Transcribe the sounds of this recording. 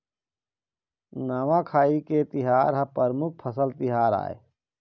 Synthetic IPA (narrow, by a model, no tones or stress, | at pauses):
naːʋãkʰaːiket̪ɪɦaːɾɦɐpəɾmʊk̚ʰpʰəsəlt̪ɪɦaːɾa̰ːḛ